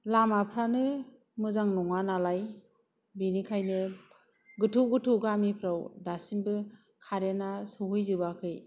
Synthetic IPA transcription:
lamapʰɾanɯ | mɯzaŋnɔŋanalaj | binikʰajnɯ | ɡɯtʰuwɡɯtʰuɡamipʰɾawdasinbɯ | kʰaɾenasɔɦɯjzɯbakʰɯj

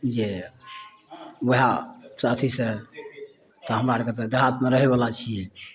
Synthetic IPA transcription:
d͡ʒe | wəɦasət̪ʰise | t̪ɔɦəmɾaɾket̪d̪əɦat̪meɾəɦebəlat͡ʃʰijɛ

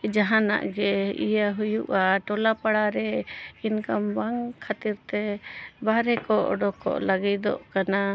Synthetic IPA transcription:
d͡ʒaɦãna̰ʔɡɛḭjaɦujuʔaʈɔlapaɽaɾɛinkambaŋkʰat̪iɾt̪ɛbaɾɛkɔʔɔɖɔkɔ̰ʔlaɡɛd̪ɔ̰ʔkana

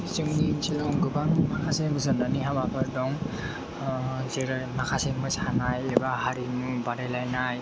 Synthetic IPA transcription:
sɯŋnisʰilɔŋɡɯbaŋmakʰasebɯzɯnaniɦabakʰɯɾdɔŋ | zeɾɯjmakʰaseŋmɯsanajebahaɾimubaɾelajnaj

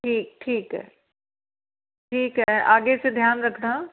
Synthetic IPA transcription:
ʈʰiːk̚ʈʰiːkɦɛ̰ː | ʈʰiːkɦɛʔaːɡesed̪ʱjaːnɾɐkʰɽãː

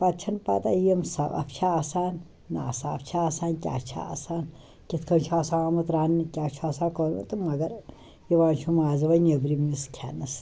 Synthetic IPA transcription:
pat̪̚t͡ʃʰɐnpa̰t̪a̰jemsɐɐ̰ft͡ʃʰaːsaːnː | aːsaːɐft͡ʃʰaːsaːnkʲa̰ːt͡ʃʰa̰a̰saːn | kʲit̪ʰkʰɐnt͡ʃʰuaːsaːaːmɐt̪ɾaːnːɨkʲaːt͡ʃʰuaːsaːkənmṵt̪ɨmɐɡɐɾ | jiʋaːnt͡ʃʰumaːzɨʋɐnɐbɾimiskʲʰa̰ːnɐs

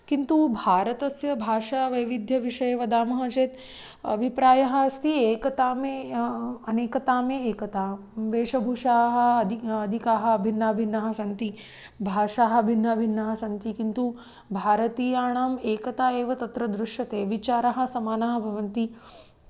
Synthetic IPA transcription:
kint̪ubʱaːɾɐt̪ɐsjɐbʱaːʂaːʋɐjʋid̪ʱjɐʋiʂɐjɐʋɐd̪aːmɐɦɐt͡ʃeːt̪ | ɐ̰bʱipɾaːjɐɦɐ̆st̪ʰieːkɐt̪aːmeːɐneːkɐt̪aːmeːeːkɐt̪aː | ʋeːʂɐbʱuʂaːɦɐ̆d̪ɐd̪ʱikaːɦɐ̆bʱinːaːbʱinːɐɦɐ̆sɐnt̪i | bʱaːʂaːɦɐ̆bʱinːɐbʱinːɐɦɐ̆sɐnt̪ikint̪u | bʱaːɾɐt̪iːjaːɳaːmeːkɐt̪aːeːʋɐt̪ɐt̪ɾɐd̪ɾuʂjɐt̪eːʋit͡ʃaːɾɐɦɐ̆sɐmaːnaːɦɐ̆bʱɐʋɐnt̪i

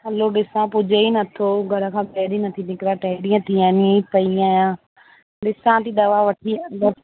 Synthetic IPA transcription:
həlːoːɖɪsãːpʊd͡ʒeːiːnət̪ʰːoːɡəɾãːkʰãːpɛːɾiːnət̪ʰːiːnɪkɾaːʈɛːɽijãːt̪ʰiːãːnĩpəijãːjãː | ɖɪsãːt̪iːd̪əʋaːʋəʈʰiːbə

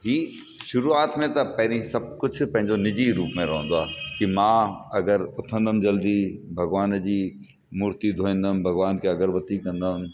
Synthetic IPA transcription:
ɦiː | ʃʊɾuaːt̪mẽt̪ɐpɐ̃ɦɾisɐb̚kʊt͡ɕ̆ʰpɐ̃ɦɪ̃ɲd͡ʑonɪd͡ʑiɾuːpmẽɾɐɦə̃n̆d̪oaːkimãːɐɡəɾʊt̪ʰə̃nd̪əmd͡ʑɐld̪ibʱɐɡʋaːnd͡ʑiː | muːɾt̪id̪ʱoːĩːn̆d̪əmbʱɐɡʋaːnkeɐɡəɾʋɐt̪ikɐ̃nd̪əm

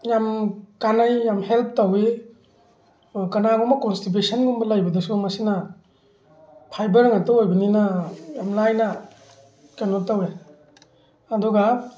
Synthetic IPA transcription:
jamkanajːamhelp̚ʰtawe | kanaɡɔmakɔnstip̬esanɡumbɐlajbɐdɐsumɐsina | pʰajbɐɾŋatoojbɐninajamlajna | kenotawe | adɔɡa

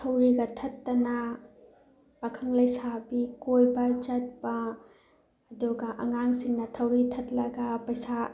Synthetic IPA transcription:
tʰɐwɾiɡɐtʰɐtːɐnɐ | pɐkʰɐŋlɐjsabikojbɐt͡ʃɐt̚bɐː | duɡɐʔɐ̰ŋaŋsiŋnɐtʰɐwɾitʰɐt̚lɐɡɐpɐjsa

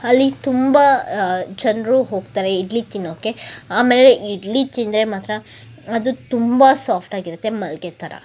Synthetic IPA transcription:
ɐlːit̪umbɐd͡ʒɐndɾuɦo̞ːɡt̪aːɾeiɖlit̪inːoːkeaːmeːleʔiɖlit̪ind̪ɾemaːt̪ɾɐ | ɐd̪ut̪umbɐsaːpʰʈaːɡiɾut̪ːe̞mɐlɡet̪ʰɐɾɐ̰

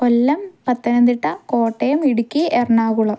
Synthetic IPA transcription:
olːɐmpɐt̪ːɐnɐnd̪iʈːɐkoːʈːejɐmiɽukʲːiʔerɐɳaːɣuɭɐm

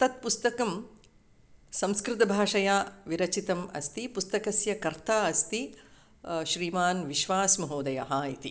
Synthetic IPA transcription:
t̪ɐt̪̚pust̪ɐkɐm | sɐ̃mskɾɪt̪ɐbʱaːʂɐjaːʋiɾɐt͡ʃit̪ɐmɐ̰st̪ipust̪ɐkɐsjɐkɐɾt̪aːɐst̪i | ʃɾiːmaːnʋiʃʋaːsmɐɦoːd̪ɐjɐɦaːit̪i

